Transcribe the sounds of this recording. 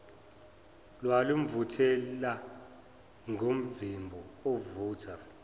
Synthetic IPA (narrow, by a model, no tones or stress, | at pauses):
lwalum̩vutʰɛla | ŋʱom̩vimbʱɔovuːtʰa